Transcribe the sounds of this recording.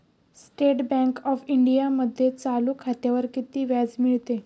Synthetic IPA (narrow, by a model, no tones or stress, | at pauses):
sʈeʈbɛ̃ŋkɔfiɳɖijaməd̪ʱːjet͡saluːkʰat̪jaʋəɾkit̪iːʋjad͡zmiɭt̪e